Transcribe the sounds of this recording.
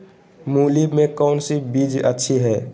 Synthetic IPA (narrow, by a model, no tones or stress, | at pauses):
mulibmekɔːnsibid͡ʒə̰tːʃʰiɦɛː